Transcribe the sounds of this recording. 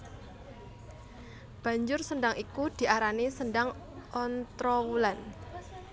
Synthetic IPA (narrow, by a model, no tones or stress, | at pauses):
b̥a̤ɲd͡ʒʊrsəndaŋikud̪̥i̤ʔaɾanisəndaŋ | ɔnt̪ɾɔwulan